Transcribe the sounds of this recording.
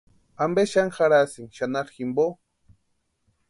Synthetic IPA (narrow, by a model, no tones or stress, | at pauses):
ambeʃaŋxaɾasiŋʃanaɾximbo